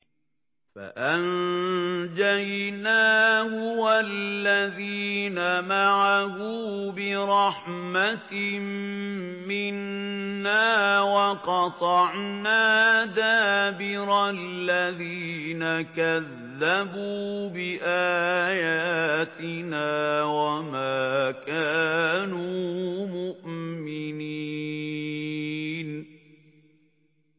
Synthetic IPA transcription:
fa̰ʔan | d͡ʒajnaːhʊwallːaðiːnamaʕahuːbɪɾˤɑħmat̪m | mɪnːaːwɑqɑt̪ˤɑʕnaːd̪aːbɪɾalːaðiːnakaðːabuːbɪʔaːjaːt̪ɪnaːwamaːkaːnuːmʊʔmɪni | n

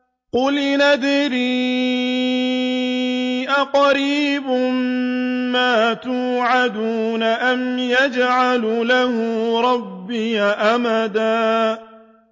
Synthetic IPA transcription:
qʊlnad̪ɾiː | ʔaqɑɾiːbʊmmaːt̪uːʕad̪uːnaʔamjad͡ʒʕallahʊɾˤɑbːɪjaʔamad̪aː

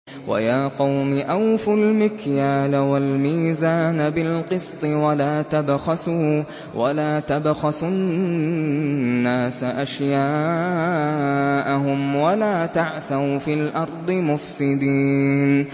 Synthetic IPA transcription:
wa̰jaːqɑwmɪʔawfʊlmɪkjaːlawalmiːzaːnabɪlqɨsˤt̪ˤɨwalaːt̪abxɑsuː | wa̰laːt̪abxɑsʊ | aːsaʔaʃjaː | ʔaɦʊmwalaːt̪aʕθaɾfiːlʔɑɾˤd̪ˤɨmʊfsɪd̪iːn

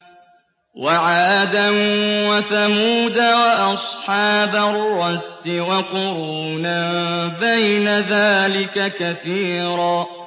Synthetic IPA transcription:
waʕaːad̪anwaθamuːd̪awaʔɑsˤħɑːbarːɑsːɪwaqʊɾuːnabajnaðaːlɪkakaθiːɾɑː

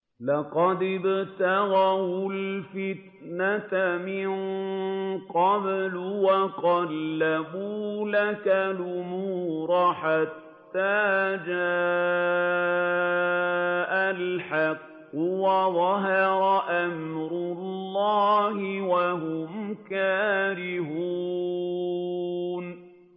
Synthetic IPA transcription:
lɑqɑd̪ɪbt̪aɣawʊlfɪt̪ | nat̪amɪn | qɑblʊwaqɑlːabuːlakalʔʊmuːɾˤaħat̪ːaːd͡ʒaː | ʔalħɑqːʊwaðˤɑɦɪɾˤɑʔamɾʊlːɑːhɪwaɦʊmkaːɾɪhuː | n

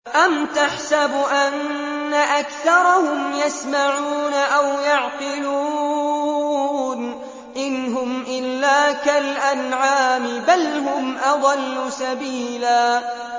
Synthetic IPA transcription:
ʔamt̪aħsabʔanːaʔakθɑɾˤɑhʊmjasmaʕuːnaʔawjɑʕqɪluː | n | ʔɪnɦʊmʔɪlːaːkalʔanʕaːmɪbalɦʊmʔɑd̪ˤɑlːʊsabiːlaː

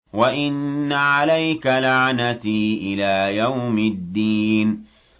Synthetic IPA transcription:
waʔɪnːaʕalajkalaʕnat̪iːʔɪlaːjawmɪd̪ːiːn

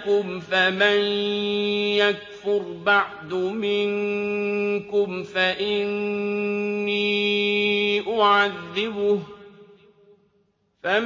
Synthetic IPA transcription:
kʊmfaman | jak̚fʊɾbaʕd̪mɪŋ | kʊmfaʔɪnː | iː | ʔʊʕaðːɪbʊ | fam

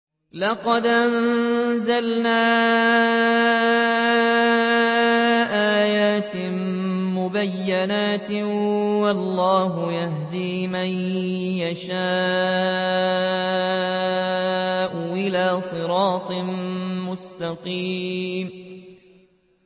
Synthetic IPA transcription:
lɑqɑd̪ʔanzalnaː | ʔaːjaːt̪ɪ | mʊbajːanaːt̪ | wɑlˤːɑːɦʊjahd̪iːmanjaʃaː | ʔʊʔɪlaːsˤɨɾɑːt̪ˤɨnmʊst̪ɑqiːm

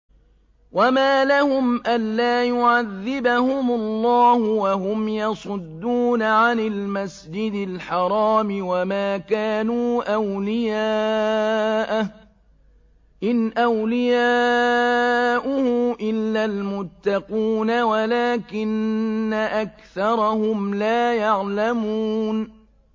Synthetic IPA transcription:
wamaːlahʊmʔanːaːjʊʕaðːɪbahʊmʊlˤːɑːhʊwaɦʊmjɑsˤʊd̪ːuːnaʕanɪlmasd͡ʒɪd̪ɪlħɑɾˤɑːmɪwamaːkaːnuːʔawlɪjaː | ʔa | ʔɪnʔawlɪjaː | ʔʊhʊmʔɪlːalmʊt̪ːɑquːnawalaːkɪnːaʔakθɑɾˤɑhʊmlaːjaʕlamuːn

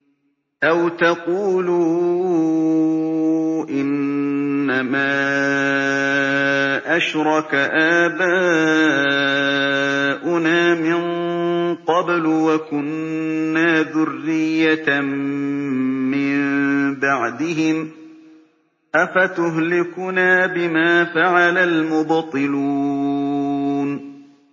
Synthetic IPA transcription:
ʔawt̪ɑquːluː | ʔɪnː | amaː | ʔaʃɾˤɑkaʔaːbaː | ʔʊnaːmɪn | qɑblwakʊnːaːðʊrːɪjːa | mɪmmbaʕd̪ɪɦɪm | ʔafat̪ʊɦlɪkʊnaːbɪmaːfaʕalalmʊbt̪ˤɨluː | n

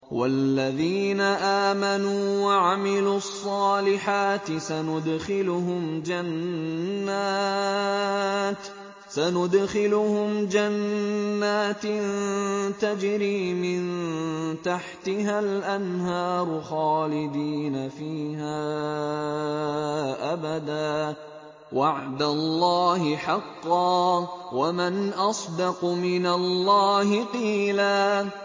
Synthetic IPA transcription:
wa̰lːaðiːnaʔaːmanuːwaʕamɪluːɑsˤːɑːlɪħaːt̪ɪsanʊd̪xɪlʊɦʊmd͡ʒanː | aː | t̪ | sanʊd̪xɪlʊhʊmd͡ʒanːaːt̪nt̪ad͡ʒɾiːmɪnt̪aħt̪ɪɦalʔanhɑːɾˤʊxɑːlɪd̪iːnafiːhaː | ʔabad̪aː | waʕd̪alˤːɑːhɪħɑqːɑːwamanʔɑsˤd̪ɑqmɪnalːɑːɦɪqiːlaː

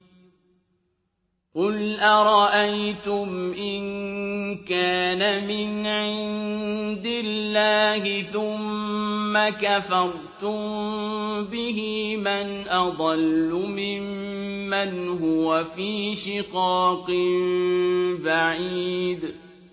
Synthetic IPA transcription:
qʊlʔaɾˤɑʔajt̪ʊmʔɪn | kaːnamɪnʕɪnd̪ɪllːaːɦɪθʊmːakafɑɾˤt̪ʊm | bɪɦimanʔɑd̪ˤɑlːʊmɪmːanɦʊwafiːʃɪqɑːqɪn | baʕiːd̪

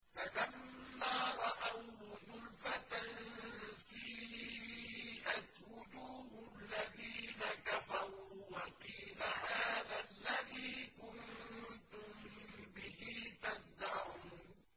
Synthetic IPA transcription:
falamːaːɾˤɑʔawðʊlfat̪ansi | ʔat̪wʊd͡ʒuːhʊlːaðiːnakafɑɾˤuːwɑqiːlahaːðalːaðiːkʊnt̪ʊmbɪɦiːt̪azd̪aʕuːn

